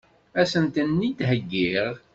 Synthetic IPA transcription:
æsənt̪ənːid̪ɦəɡːiʁ

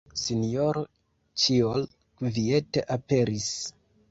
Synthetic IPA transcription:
sinijoɾo | t͡ʃiol | kvie̞teʔape̞ɾis

